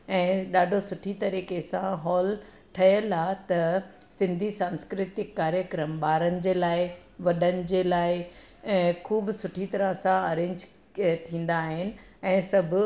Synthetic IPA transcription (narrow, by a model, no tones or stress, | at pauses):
ɛ̃ːɗaːɖʱosʊʈʰit̪ɐɾiːkesãɦɔːl | ʈʰɐjəlaːt̪ɐ | sɪ̃nd̪ʱisãːnskɾɪt̪ɪkːaːɾjəkɾəmɓaːɾənɪ̆d͡ʑeːlaːɪ | ʋɐɗənɪ̆d͡ʑeːlaːɪ̃ | kʰuːbsʊʈʰit̪ɐɾəsãɐɾẽːɲd͡ʑ | t̪ʰĩːn̆d̪aːɦɪnɪ̆ | ɛ̃ːsɐbʱʊ